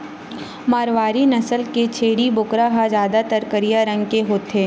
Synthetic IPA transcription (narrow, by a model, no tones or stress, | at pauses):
maːɾʋaːɾinɐsəlket͡ʃʰeːɽibʊkɾaɦad͡ʒjaːd̪at̪ɐɾkəɾijaɾɐ̃ŋɡkeɦoːt̪eː